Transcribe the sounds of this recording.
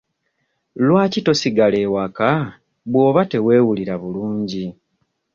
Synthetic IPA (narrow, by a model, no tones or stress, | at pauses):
lwaːcito̞siɡale̞waka | βwo̞ːβate̞we̞ːwuliɾaβuluːɲɟi